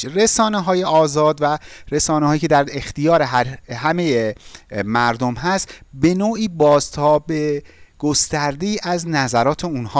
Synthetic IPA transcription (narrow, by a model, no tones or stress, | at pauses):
re̞sɒːneɦɒːje̞ɒːzɒːd̪væɾe̞sɒːneɦɒːjiːcʰed̪æɾext̪ʰijɒːɾe̞ɦæɾhæme̞jemæɾd̪omɦæst̪be̞noːʔiːbɒːzt̪ʰɒːbeɡ̥o̞st̪æɾd̪eiːʔæznæzæɾɒːt̪ʰe̞unhɒː